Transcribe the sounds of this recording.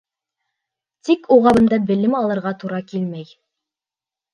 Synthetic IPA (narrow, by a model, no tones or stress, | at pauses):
t̪ikʰuʁɑβɤ̆nd̪ɑbɘ̆lɘmɑlˠɤ̆ɾʁɑt̪uɾɑkilmæj